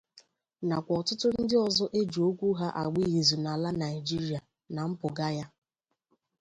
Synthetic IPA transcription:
na˨kʷɔ˨tʊ˦tʊ˦n̩˦dɪ˦ɔ˨zɔ˦ʔe˦d͡ʒu˨o˦kʷu˦ɦa˦ʔa˨ɡ͡bi˦ɣi˨zu˨na˨la˦na˨i˨d͡ʒi˦ɾi˦a˨ | na˨m̩˦pʊ˨ɡa˦ja˦

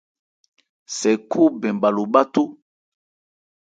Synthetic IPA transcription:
sɛ˨kʰu˦bɛ˨mba˨lo˨ba˦tu˦

